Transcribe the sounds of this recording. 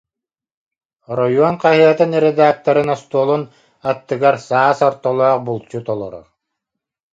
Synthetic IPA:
ɾɔjuɔnqaɦɯɐt̪ɯnɾed̪aːk̚t̪ɐɾɯnɔst̪uɔlˠun | at̪ːɯɡaɾsaːsɔɾt̪ɔlˠɔːq̚bulˠt͡ɕut̪ɔlˠɔ̰ɾɔ̰

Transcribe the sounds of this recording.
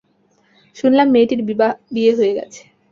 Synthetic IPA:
ʃunlamːeʈiɾbibabieɦoeɡɛ̰t͡ɕʰe̥

